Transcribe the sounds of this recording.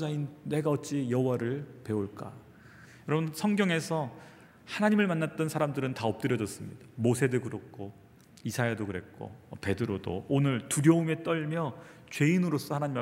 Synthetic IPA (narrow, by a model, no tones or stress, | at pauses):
d͡ʑainːe̞ɡaʌt̚t͡ɕ͈ijʌɦowaɾɯɭpe̞oɭk͈a̰ | jʌɾʌbʌnsʰʌŋɡjʌŋe̞sʰʌ | hanaɲimɯɭmanːat̚t͈ʌnsʰaɾamdɯɾɯntaʌp̚t͈ɯɾjʌd͡ʑʌs͈ɯmɲid̥ḁmosʰe̞dɯɡuɾok̚k͈o | isʰajeadokɯɾe̞k͈o̰pe̞dɯɾodo̰onɯɭtuɾjʌume̞t͈ʌɭmjʌt͡ɕwe̞inɯɾos͈ʌhanaɲima